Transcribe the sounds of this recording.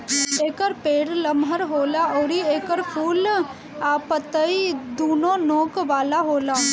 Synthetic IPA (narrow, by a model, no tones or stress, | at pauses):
eːkəɾpeːɽləmɦəɾɦoːlaɔːɾieːkəɾpʰuːl | aːpət̪əid̪oːnõnoːkʋaːlaɦoːlaː